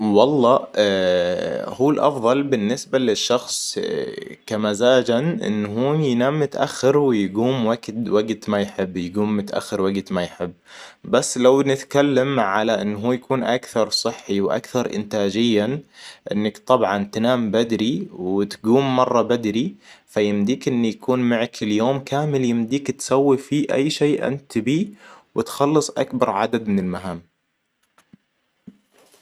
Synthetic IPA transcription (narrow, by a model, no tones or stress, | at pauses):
wɑlˤːɑː | huːlʔɑ̰fðˤɑlbɪnːɪsbalɪʃːɑxsˤ | kamazaːd͡ʒanʔɪ̰nːɦuːjnaːmːʊt̪ʔaxːɪɾwɪjɡuːmwaɡt̪waɡt̪majħɪbːjɪɡuːmːʊt̪ʔa̰xːɪɾwaɡt̪majħɪbːbasːlawnɪt̪kalːamʕalaʔɪnːɦuːjakuːnʔakθɑɾˤsˤɨħːiwʔa̰kθɑɾˤʔɪ̰nt̪aːd͡ʒɪjːaʔɪ̰nːakt̪ˤɑbʕɑnt̪naːmbad̪ɾiwɪt̪ɡuːmːɑrˤːɑbad̪ɾifajɪmd̪iːkʔɪnːijakuːnmaʕakɪljoːmkʰaːmɪljɪmd̪iːkt̪sawːifiːʔa̰jːʃeːʔɪ̰nt̪biːwɪt̪xɑlːɨsˤʔa̰kbɑɾˤʕad̪ad̪mɪnɪlmaɦaːm